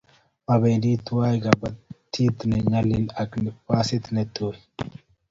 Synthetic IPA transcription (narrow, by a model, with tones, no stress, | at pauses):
mɐbe˨d̪iː˦t̪ːʊ˦waː˦jɡɐbɐtt̪ʰːi˦t̪nɛ˨ɲɐlɪnɐ˨knɪpːaː˦sɪ˦t̪nɛt̪u